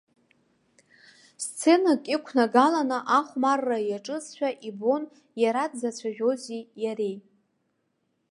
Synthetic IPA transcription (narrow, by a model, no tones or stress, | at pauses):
st͡sʰe̞nakʼikʷʰnaɡalanɨʔaχʷmarːajaʈ͡ʂʼɨsʃʷᶣaʔibo̞n | jaɾadzat͡ɕʷʰaʒᶣozijaɾej